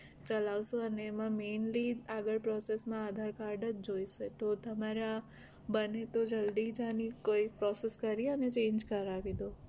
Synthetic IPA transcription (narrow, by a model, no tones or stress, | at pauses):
t͡ʃəlaʋsõəneːmãmenliaɡəɭpɾɔsesmãad̪ʱaɾkaɾɖəd͡ʒd͡ʒoiʃet̪ot̪əmaɾa | bənet̪od͡ʒəld̪id͡ʒanikoipɾɔseskəɾiənet͡ʃẽɲd͡ʒkəɾaʋid̪o